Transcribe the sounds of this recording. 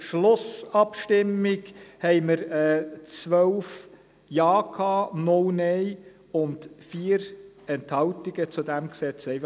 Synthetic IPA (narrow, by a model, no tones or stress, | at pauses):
ʃlʊsɑpʃtɪmɪɡhɛɪməɾɛːt͡sʋœwf | jɑːkʰɑːnʊlnɛɪ | ʊndfiːəɾɛnthɑltiɡət͡sudæmksɛt͡sɛɪf